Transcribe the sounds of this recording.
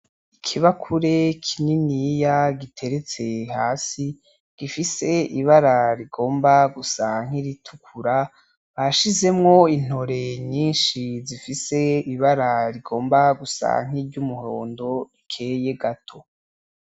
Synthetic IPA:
ikʰiβakʰuɾe̞kʰininijaɡitʰe̞ɾe̞t͡se̞haːsi | ɡ̥ifise̞iβaɾaɾiɡo̞ːmbaɡusaŋ̥iɾitʰukʰuɾa | βaʃize̞mŋo̞in̥ho̞ɾeɲiːnʃizifise̞iβaɾaɾiɡo̞ːmbaɡusa̰ŋ̥iɾɟumuho̞̰ːndo̞ikʰe̞ːje̞ɡatʰo̞

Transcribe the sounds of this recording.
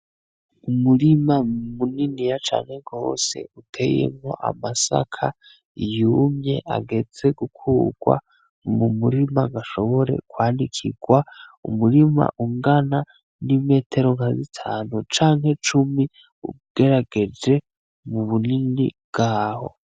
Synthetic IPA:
umuɾimamuninijat͡ʃa̰ːnhe̞ɡo̞ːse̞̰utʰe̞jḛmŋo̞̰ʔa̰masa̰kʰa | ijumɲe̞̰ʔa̰ɡe̞d͡ze̞ɡukʰuːɡ̥wa̰ | mumuɾimaɡaʃo̞βo̞ɾe̞̰kwaːndikʰḭɡwaumuɾima̰ʔuŋɡana | nime̞ːtʰe̞ɾo̞ŋazitʰaːnut͡ʃaːŋɦe̞t͡ʃumi | ṵɡ̥e̞ɾaɡ̥e̞d͡ʒe̞ | muβuninḭbɡ̥aːho̞̰

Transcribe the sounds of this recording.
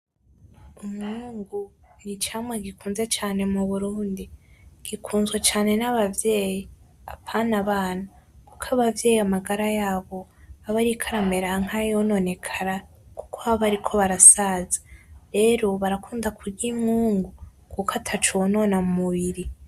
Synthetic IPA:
umŋuːŋɡu | iɾit͡ʃaːmweɡikuːnze̞t͡ʃaːne̞muβuɾuːndiɡ̥ikʰuːnzɡwet͡ʃaːne̞naβavje̞ːji | a̰pʰanaβaːna | kukʰaβavje̞ːjiamaɡaɾajaːβo̞aβaɾikʰaɾame̞ɾaŋ̥hajono̞ne̞kʰaɾa | ku̥kʰoaβaɾikʰo̞βaɾasazḁɾe̞ːɾo̞βaɾakʰuːndakʰuɾɡimŋuːŋɡu | kukatʰat͡ʃowno̞ːnamumuβiɾi

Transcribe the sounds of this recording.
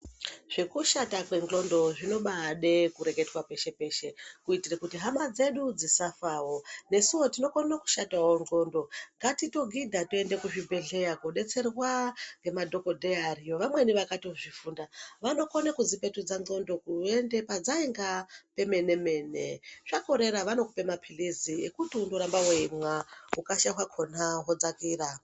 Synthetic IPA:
ʐ̥ikuʃatakwe̞ŋɡo̞ndo̞ʐino̞ɓaɦːɗe̞kuɾe̞ɡe̞twape̞ʃe̞pe̞ʃe̞kuitirekutiɦamad͡ze̞ɗud͡zisafaːwo̞ne̞siwo̞tino̞konoku̥ʃatawoŋɡo̞ndo̞ŋɡatito̞ɡʱidʱatoendekuʐibʱe̞ɮe̞jaɡoɗe̞t͡se̞rwaŋɡe̞madʱo̞ko̞dʱearijo̞ʋamwe̞niʋakatioʐifuːndaʋano̞ko̞nekuzipe̞tud͡zaŋ͡ǀo̞ndo̞kue̞nde̞pad͡zaiŋɡape̞me̞ne̞me̞ːne̞̰ʐako̞ɾe̞ɾaʋano̞kupe̞mapʰiliziḛkutiundoɾambawoimwaukaʃaɦwakʰo̞naɦo̞d͡zakiːra

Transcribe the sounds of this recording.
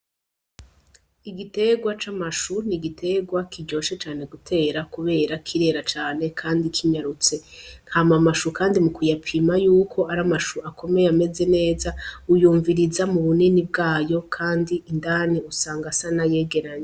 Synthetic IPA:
iɡite̞ɡwat͡ʃamaʃuniɡitʰe̞ɡwakiɟo̞ːʃe̞t͡ʃaːne̞ɡutʰe̞ːɾakuβe̞ːɾakʰiɾe̞ɾat͡ʃaːne̞kʰaːndikʰiɲaɾut͡se̞ŋhamamaʃukaːndimukujapʰimajuːkʰo̞aɾamaʃuakʰo̞me̞jame̞ze̞ne̞ːzaujuːɱviɾizamuβuninib̚ɡaːjo̞kʰaːndiindaːniusaːŋɡasanaje̞ːɡe̞ɾaɲe

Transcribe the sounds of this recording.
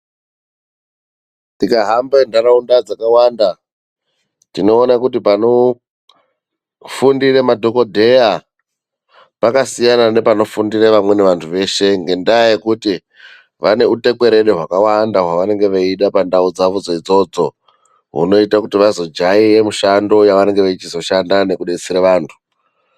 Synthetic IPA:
tikaɦambendaɾaundad͡zakawanda | tino̞ːnakutipano | fundiremadʱo̞ko̞dʱe̞ja | pakasijanane̞pano̞fundireʋamwe̞ne̞ʋantʰuʋe̞ːʃe̞ŋɡe̞ndajekuti | ʋane̞ute̞kwe̞ɾe̞ɗeɦwakawandaɦwaʋane̞ŋɡe̞ʋeiɗapandaud͡zaʋud͡zo̞id͡zo̞d͡zo̞̰ | ɦṵno̞itakutiʋazo̞d͡ʒaijemuʃando̞jaʋane̞ŋɡeʋet͡ʃizo̞ʃandane̞kuɗet͡siɾeʋaːntʰu̥

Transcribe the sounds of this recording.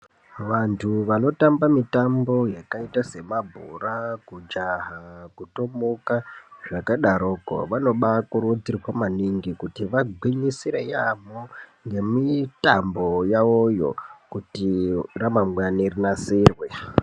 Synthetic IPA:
ʋantʰuʋano̞tambamitambo̞jakaitase̞mabʱṵrakud͡ʒaɦakuto̞mokaʐakaɗaɾoːko̰ʋano̞ɓakuɾud͡zirwamaniŋɡikutiʋaɡʱwiɲisiɾejamoŋɡe̞mitambo̞jaojo̞̰kutiramamwanirinasiːrwe

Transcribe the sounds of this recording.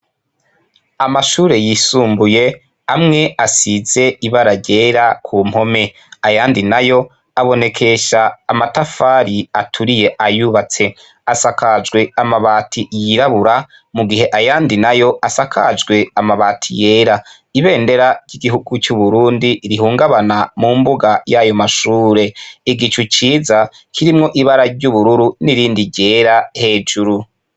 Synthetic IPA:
amaʃuːɾe̞jisuːmbuje̞ | amŋe̞asize̞iβaɾaɾɟe̞ːɾakʰuːm̥ho̞me̞ | ajaːndinajo̞ | aβo̞ne̞kʰe̞ʃaːmatafaɾiatʰuɾije̞ʔajuβat͡se̞ | asakad͡ʒɡwe̞amaβaːtʰijiɾaβuɾa | muɡiɦe̞ʔajaːndinajo̞ʔasakʰad͡ʒɡwe̞amaβaːtʰḭje̞ːɾa | iβe̞ːnde̞ɾaɟiɡiɦuɡ̥ut͡ʃuβuɾuːndiɾiɦuːŋɡaβanamumbuɡajajo̞maʃuːɾe̞iɡit͡ʃut͡ʃiːza | kʰiɾimŋo̞ʔiβaɾaɾɟuβuɾuɾuniɾiːndiɟe̞ːɾahe̞ːd͡ʒuɾu

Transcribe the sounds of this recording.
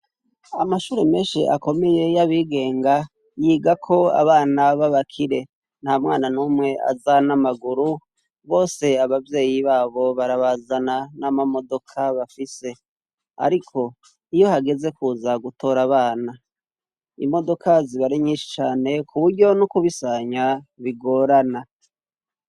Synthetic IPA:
amaʃuːɾeme̞ːnʃḭʔa̰ko̞me̞je̞jaβiːɡe̞ːŋɡa | jiːɡakʰo̞a̰βaːnaβaβakʰiɾe̞ | n̥hamŋaːnanuːmŋe̞a̰zanamaɡuɾu | βo̞ːse̞aβavje̞ːjiβaːβo̞βaɾaβazananamamo̞do̞kʰaβafise̞ | a̰ɾikʰo̞ | ijo̞haɡe̞ze̞kuːzaɡutʰo̞ːɾaβaːna | ḭmo̞do̞kʰaziβaɾiɲiːnʃi̥t͡ʃaːne̞kuβuɾɟo̞nukuβisaɲaβiɡo̞ːɾana

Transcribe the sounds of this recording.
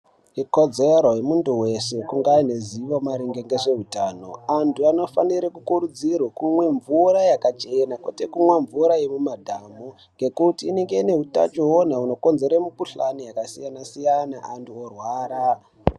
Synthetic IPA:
ikod͡zeɾojemunduwe̞sekuŋɡaːneziʋomaɾiŋɡeŋɡe̞ʐe̞ɦutaːno̞̰antʰuano̞faniɾekukuɾud͡zirwakumwe̞ɱvurajakat͡ʃe̞nakwḛtekumweɱvuɾajemumadʱaːmo | ŋɡe̞kutiːneŋɡe̞ine̞ɦuta̰t͡ʃoɦonauno̞ko̞nze̞ɾemukuɬanijakasijanasijanaantuorwaːɾa

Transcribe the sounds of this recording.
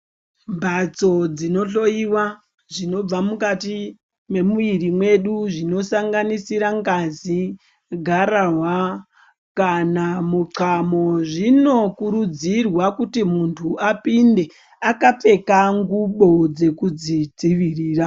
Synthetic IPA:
mbʱat͡so̞d͡zino̞ɬo̞iwa | ʐino̞b͡vamukati | me̞muiɾimwe̞ɗuʐino̞saŋɡanisiɾaŋɡazi | ɡʱaɾaɦwa | kanamuǀamoʐino̞kuɾud͡zirwakutimuntʰuapinde̞ | akap͡fe̞kaŋɡuɓo̞d͡ze̞kud͡zid͡ziʋiriːra

